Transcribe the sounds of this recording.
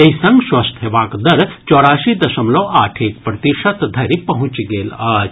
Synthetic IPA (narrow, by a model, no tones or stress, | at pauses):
t̪ɐ̃ɦĩsɐŋɡsʋɐst̪ʰeʋaːkd̪ɐɾt͡ʃɔːɽaːʃid̪ɐʃɐmloʔaːʈʰek̚pɾɐt̪iʂɐt̪d̪ʱɐɾipɐɦũt͡ʃɡeːlaː